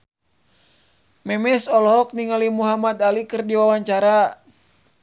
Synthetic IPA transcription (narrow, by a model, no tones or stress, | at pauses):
mɛmɛsɔlɔɦɔk̚niŋalimuɦamat̪alikɨrdiwawaɲt͡ʃaɾa